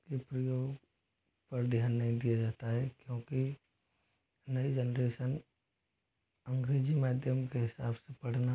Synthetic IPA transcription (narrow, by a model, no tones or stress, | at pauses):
kepɾɐjoːɡ | pɐɾd̪ʱjaːnːɐɦĩd̪ijad͡ʒaːt̪aɦɛkjõːki | nɐid͡ʒənɾeːʃən | ɐ̃ŋɡɾeːd͡ʒimaːd̪ʱjəmkeɦɪsaːbsepɐɽ̤na